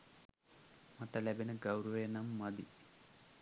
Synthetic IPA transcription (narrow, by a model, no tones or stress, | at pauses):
maʈəlæbenəɡawɾəʋenamːad̪i